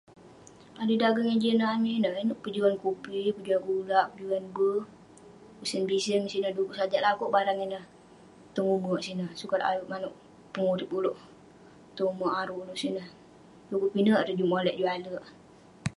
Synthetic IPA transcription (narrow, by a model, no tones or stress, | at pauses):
adudaɡəŋənd͡ʒənəaninəhinəʔpəd͡ʒuankupipəd͡ʒuankulaʔpəd͡ʒuanbə | usənbisənmsinəhdukuʔsad͡ʒaʔlakoʔbaɾaŋɛnəh | t̪əŋumoʔsinəhsukat̪a̰juʔmanuʔ | pəŋuɾipulʊʔ | t̪umaʔaɾuʔuluʔsinəh | lukupinəʔɾəd͡ʒumolɛʔd͡ʒualəʔ